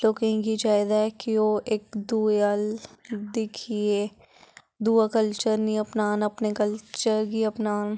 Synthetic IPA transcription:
lokẽɡid͡ʒaːɪd̪aɛkioʔeːk̚d̪uald̪ɪkʰieː | d̪uːakəlt͡ʃəɾnĩɐpnaːnɐpnekɐlt͡ʃəɾɡiɐpnaːn

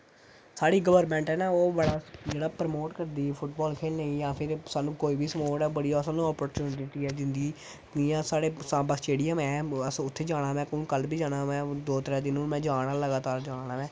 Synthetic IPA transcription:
saːɽiːɡəʋəɾmɛ̃ːɳʈɛːnãːoːbəɽaːd͡ʒeːɽaːpɾəmoːʈkəɾd̪iːpʰʊʈbɔːlkʰeːlnəĩːjãːpʰɪɾsaːnũːkoːiːbiːsəmoːʈɛːbəɽiasaːnũːɔːpəɾt͡ʃuːnd̪ɪʈiːɛːd͡ʒɪ̃nd̪iː | ijãːsaːɽeːsãːbəsʈeːɽɪjəmɛ̃ːəsʊt̪ʰːeːd͡ʒaːɽ̃aːʋɛ̃ːkʊ̃kəlbʱiːd͡ʒaːɽaːʋɛ̃ːd̪oːt̪ɾɛ̃ːd̪ɪnũːmɛ̃ːd͡ʒaːɽaːləɡaːt̪aːɾd͡ʒaːnaːʋɛ̃ː

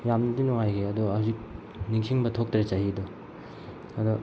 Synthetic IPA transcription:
jamnɐdinɔŋajkʰeɐduhazik̚ | niŋsʰiŋbɐtʰok̚tɾet͡ʃaɦidɔ | ɐdɔ

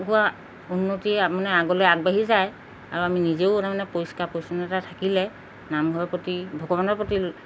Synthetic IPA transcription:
ɡua | unːotiɛapɔnɛaɡɔlɛjaɡ̚baɦizaj | aɹuaminizeʊɔnamanɛpojskapojsɔnɛtatʰakilɛ | namɡʱɔɹɔpɹɔtibʱɔɡɔbanɔpɹoti

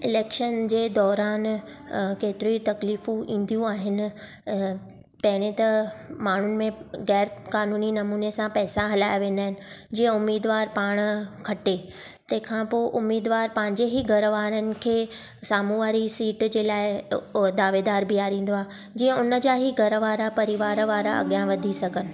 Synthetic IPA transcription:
ɪleːkʃənd͡ʑeːd̪ɔːɾaːn | keːt̪ɪɾuɦit̪ɐkliːfũʔĩːn̆d̪jũaːɦɪnɪ̆ | pɐɦɪɽ̃ẽt̪ɐmaːɳ̤ʊnɪ̆mẽɣɛːɾkaːnuːninɐmuːnesãpɛːsaɦɐlaːjaʋẽːnd̪aːɦɪnɪ̆d͡ʑiːə̃ʊmiːd̪ʋaːɾpaːɽ̃kʰɐʈe | t̪ɐ̃ɦɪ̃kʰãpoːʔʊmiːd̪ʋaːɾpɐ̃ɦɪ̃ɲd͡ʑeɦiɡʱɐɾʋaːɾənɪ̆kʰeː | saːmũʋaːɾisiːʈd͡ʑeːlaːɪd̪aːʋeːd̪aːɾbiaːɾĩːn̆d̪oaːe | d͡ʑiːə̃ʊnə̆d͡ʑaːɦiɡʱɐɾʋaːɾapɐɾiʋaːɾʋaːɾaɐ̰ɠjãʋɐd̪ʱisɐɡʱənɪ̆

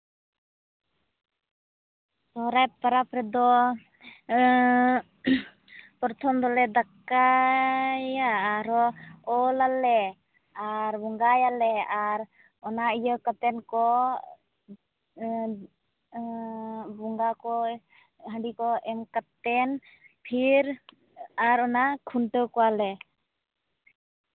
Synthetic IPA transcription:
sɔɾajpəɾapɾɛd̪ɔ | pɔɾt̪ʰɔmd̪ɔlɛd̪aka | jaɾɔɔlalːɛ | aɾbuŋɡajalɛaɾ | ɔnaijəkat̪ɛnkɔ | buŋɡakɔ | ɦəɖikɔʔɛmkat̪ɛn | pʰiɾ | aɾɔnakʰuɳʈəkɔwalɛ

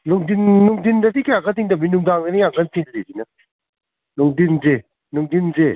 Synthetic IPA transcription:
nuŋdinːuŋdindadikʰajaɡadiŋdabinuŋdaŋɡɯnijaŋɡantʰiŋlizina | nuŋdinze | nuŋdinze

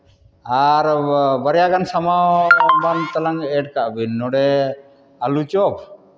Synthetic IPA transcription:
aɾbaɾɛjaɡansamawɔbant̪alaŋɛʈkaʔbinːɔɽɛ | alut͡ʃɔp̚

